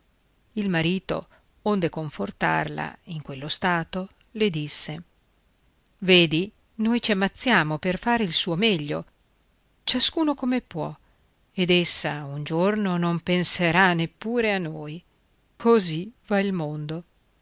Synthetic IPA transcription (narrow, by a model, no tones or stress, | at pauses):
ilmaɾiːt̪o̰ | ond̪ekoɱfort̪a̰rla̰iŋkwelːost̪aːt̪o | led̪isːe | veːd̪i | nojt͡ʃiamːat̪sːjaːmoperfaːɾeilsuːomɛʎːo̰ | t͡ʃaskuːnokomepwɔ̰ | ed̪esːaund͡ʒornonompenseɾanːepːuːɾeanːoːj | kʰozivailmond̪o